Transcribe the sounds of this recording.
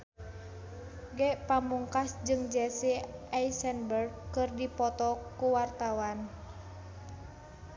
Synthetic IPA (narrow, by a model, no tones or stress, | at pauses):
ɡɛʔpamuŋkasd͡ʒɨŋd͡ʒɛsiajsɛnbərd̚kɨrdipɔt̪ɔkuwart̪awan